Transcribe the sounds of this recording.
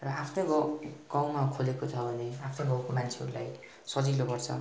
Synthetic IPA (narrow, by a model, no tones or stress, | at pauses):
rʌapʰnoɡɡaw̃makʰolekot͡sʰʌbʱʌneapʰnoɡãw̃komant͡sʰeɦʌ̰ɾulaj | sʌd͡zilopʌrt͡sʰʌ̰